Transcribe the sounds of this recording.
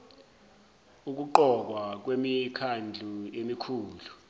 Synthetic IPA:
uk̬uǃɔk̬wak̬wemikʰand͡ɮʱuemikʰuːlu

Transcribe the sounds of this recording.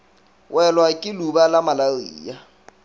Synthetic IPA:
wʔɛlwakʼɪlubalamalaɣiːja

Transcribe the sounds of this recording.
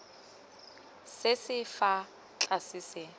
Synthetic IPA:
sɪsɪfa | t͡ɬʼasɪsɪ

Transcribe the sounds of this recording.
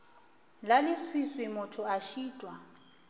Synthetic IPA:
lalɪswiswɪmʊtʰʊaʃiːtʼwa

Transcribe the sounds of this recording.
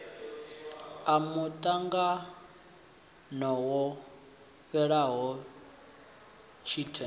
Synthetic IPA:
amutʼaŋɡa | nɔwɔ | ɸɛɺaɦɔ | t͡ʃʰitʰɛ

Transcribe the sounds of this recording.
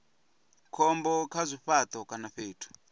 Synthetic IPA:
kʰɔmbɔkʰazʷiɸat̪ʼɔkʼanaɸeːtʰu̥

